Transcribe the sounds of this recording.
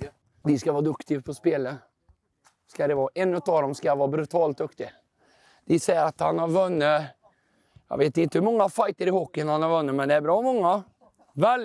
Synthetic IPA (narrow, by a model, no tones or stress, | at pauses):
d̪ɪskavɑːd̪ɵkt̪ɪpʰɔspeːlə | skad̪ɛvɑːʔɛnːʉt̪ɑːd̪ɔmskajavɑːbɾʉt̪ʰɑːlt̪̚d̪ɵkt̪ɪ | d̪̥ɪsɛjɾat̪hanhaɾvɵnːə | jɑ̰veːt̪ɪnt̪əhɵmɔŋːafajt̪əɾɪhɔkːɪənhanhaɾvɵnːəmɛnd̪ɛæɾbɾɑːmɔŋːa | vɛ